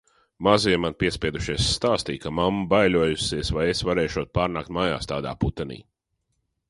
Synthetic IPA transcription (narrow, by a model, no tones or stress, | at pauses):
maziɛmanpiɛspʲiɛd̪uʃiɛsːt̪aːst̪iːkamamːbajlʲuɔjusiɛsvajesvaɾɛːjʃuɔt̪̚paːɾnaːkt̪maja̰ːst̪aːd̪a̰ːput̪ɛnḭː